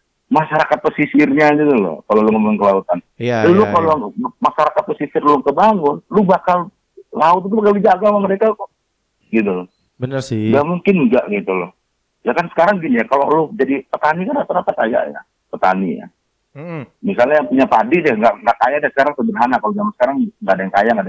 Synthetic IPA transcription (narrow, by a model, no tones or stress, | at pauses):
maʃaɾakat̪̚pəsisɪrɲaɡit̪ulʊ̰kalolʊŋəmnkəlaut̪anlʊkalomaʃaɾakat̪̚pəsisɪrluʊkəbaŋʊnlubakal | laʊt̪̚it̪ubakaldid͡ʒaɡalaməɾeka | ɡit̪ul | bənəɡamuŋkɪnɡaʔɡit̪ulʊh | jakansə̥kaɾaŋɡinijakalolʊhd͡ʒadipət̪anikanat̪aɾat̪at̪aja̰ʔja̰ | pət̪a̰nḭja̰ | misalɲajaŋpuɲapadɪdaŋɡaʔŋɡaʔkajadasə̥kaɾaŋsəbərɦanakalod͡ʒamansə̥kaɾaŋŋɡaʔadajaŋkajaŋada